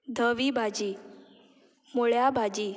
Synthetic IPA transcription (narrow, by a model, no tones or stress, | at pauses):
d̪ʱəʋibʱad͡ʑiː | moɭjabʱad͡ʑiː